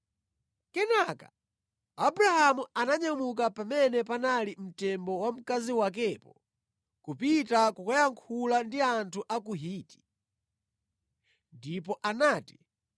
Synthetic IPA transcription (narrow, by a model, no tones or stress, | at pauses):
kɛnaka | abuɾahamuanaɲamuk̬apamɛnɛpanalim̩tɛmbɔwam̩kaziwak̬ɛpɔ | kupitakukajaŋkʰulandiantʰuʔakuɦiːti̥ | ndipɔʔanaːti̥